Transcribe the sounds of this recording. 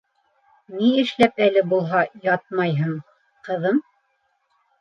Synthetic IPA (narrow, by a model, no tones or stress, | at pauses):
niɘ̆ʃlæpælɘbulˠɦɑjɑt̪̚mɑjɦɤɴ | qɤ̆ðɤm